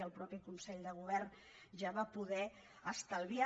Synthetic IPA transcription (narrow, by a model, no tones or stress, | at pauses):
əlˠpɾɔpikunsɛʎd̪əɣ̞uβ̞ɛrn | ʒaβapuðɛ | əst̪əlˠβia